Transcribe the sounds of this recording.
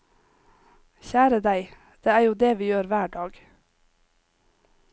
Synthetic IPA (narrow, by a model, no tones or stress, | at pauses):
çæːɾəd̪æɪ | d̪̥eːæːɾjuːd̪eːʋiːjøːɾʋæːɖɑːɡ